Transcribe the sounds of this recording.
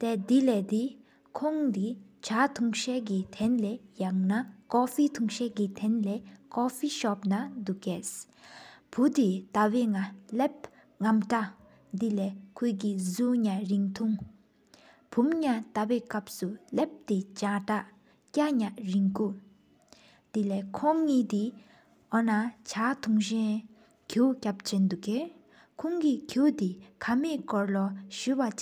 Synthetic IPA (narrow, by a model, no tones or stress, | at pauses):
t̪ɛːd̪ilɛːd̪i | kʰɔŋd̪it͡ɕʰat̪ʰuŋɕɛkit̪ʰɛnlɛjaŋnakɔfiːt̪ʰuŋɕɛːkit̪ʰɛnlɛːkɔfiːɕɔpnad̪ukɛs | pʰud̪it̪aweŋalɛp̚ | ŋamʈ͡ʂa | d̪ilɛːkʰøːk̬izuɲaɹiŋt̪ʰuŋ | pʰumɲat̪apɛːkap̚sulɛp̚t̪et͡ɕaʈ͡ʂaʔ | caʔɲaʔɹiŋkuː | d̪̥ilɛːkʰɔŋːiːt̪i | ʔɔnat͡ɕʰaːt̪ʰuŋɕɛn | kʰuːcap̚t͡ɕent̪ukeː | kʰɔŋkikʰuːt̪ikʰameːʔkɔɹlɔɕyːwat͡ɕ